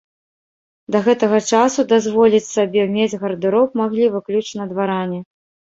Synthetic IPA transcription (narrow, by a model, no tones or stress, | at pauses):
d̪ɐɣɛt̪ɐɣɐt͡ʂasud̪azvɔlʲit͡sʲsabʲɛmʲed͡zʲɣɐɾd̪ɨɾɔp̚maɣlʲivɨklʲut͡ʂnɐd̪vaɾanʲɛ